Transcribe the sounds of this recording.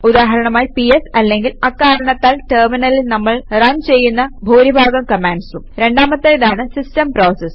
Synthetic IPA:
ud̪aːɦɐɾɐɳɐmaːjipiesɐlːe̞ŋɡilɐkːaːɾɐɳɐt̪ːaːlʈɐrminɐlilnɐmːɐɭrɐnt͡ɕe̞jːunːɐbʱuːɾibʱaːɡɐmkɐmaːɳɖsumɾe̞ɳɖaːmɐt̪ːejðaːɳɨsistɐmpro̞ːses

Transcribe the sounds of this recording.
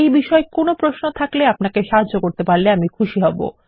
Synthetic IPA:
ejbiʃɔekonopɾosnot̪ʰakleapnakeʃaɦadːokoɾt̪epaɾleamikʰuʃiɦɔbo̰

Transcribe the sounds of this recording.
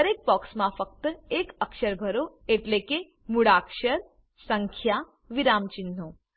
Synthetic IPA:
əɾek̚bɔksmãfək̚t̪ekəkʃəɾbʱəɾo | eʈleke | muɽakʃəɾ | səŋkʰja | ʋiɾamt͡ʃɪnːo

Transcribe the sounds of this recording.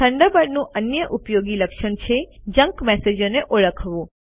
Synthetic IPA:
əɳɖəbəɽnũʔənjəʔupjoɡiləkʃəɳt͡ʃʰed͡ʒə̃ŋkmɛsed͡ʒoneʔoɭəkʰʋũ

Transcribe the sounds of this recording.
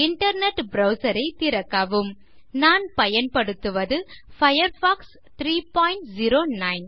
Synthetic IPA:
ɪɳʈɐɾnɛʈbɾɐʊsɐɾɐɪt̪ɪɾɐkːɐʋɯm | naːnpɐjɐnpɐɽɯt̪ːɯʋɐðɯfɐjɐɾfaːks | t̪ɾiːpaːjɪɳʈziɾoːnɐɪn

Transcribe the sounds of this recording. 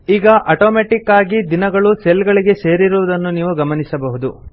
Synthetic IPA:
iːɡɐʔɐʈoːmeːʈikːaːɡid̪inɐɡɐɭuselɡɐɭiɡe̞se̞ːɾiɾuʋɐd̪ɐnːuniːʋuɡɐmɐnisɐbɐɦud̪u

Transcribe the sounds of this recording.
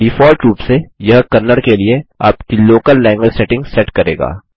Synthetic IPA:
bɪfoːɾʈɾuːpsejɐɦkɐnːəɽkeliea̰ːpkiloːkəlːɛ̃ːŋɡʋed͡ʒsɛʈɪ̃ŋɡsɛʈkɐɾḛːɡa̰ː

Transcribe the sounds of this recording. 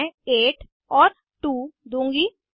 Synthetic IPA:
eːʈ | ɔːɾ | ʈuːd̪ũːŋɡiː

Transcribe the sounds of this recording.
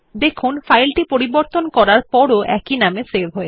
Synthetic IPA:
d̪ekʰunfajlʈipoɾiboɾt̪onkɔɾaɾpɔɾoʔɛ̰kinamesebʱɦɔe

